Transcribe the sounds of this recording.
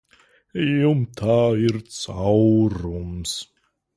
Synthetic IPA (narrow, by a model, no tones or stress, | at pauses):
jumt̪ʰaːɪɾt͡sʰawɾums